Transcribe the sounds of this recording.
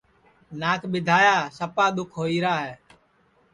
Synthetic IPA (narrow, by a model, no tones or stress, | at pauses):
naːkʰɓɪd̪ʱaːjaːsəpaːɗ̪ʊkʰɦoːiːɾaːɦɛː